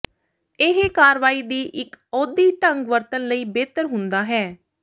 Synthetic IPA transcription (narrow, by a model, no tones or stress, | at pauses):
ɪɦekaːɾʋaːiːd̪iːʔɪkɔːd̪iːʈəŋɡʋəɾt̪ənləiːbeːt̪əɾɦʊnd̪aːɦɛː